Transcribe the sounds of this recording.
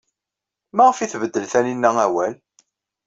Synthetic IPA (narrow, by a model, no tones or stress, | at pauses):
mæʁəfiθvəd̪ːəlθæninːææwæl